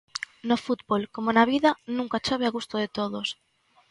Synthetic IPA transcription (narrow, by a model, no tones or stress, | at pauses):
nofut̪bolkomonaβiðɐnũŋkat͡ʃoβeaɣust̪oðet̪oðos